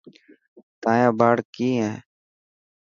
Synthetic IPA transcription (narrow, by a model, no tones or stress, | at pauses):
t̪aːjãːbaːɽkiːɦɛ̃ː